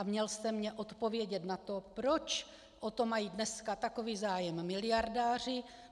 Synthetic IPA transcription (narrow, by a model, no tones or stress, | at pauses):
amɲɛlst̪ɛmɲɛʔot̪po̞vjɛɟɛt̪nat̪o̞pɾo̞t͡ʃ | ʔot̪o̞majiːdnɛskat̪ako̞viːzaːjɛmːɪlɪjaɾdaːr̝ɪ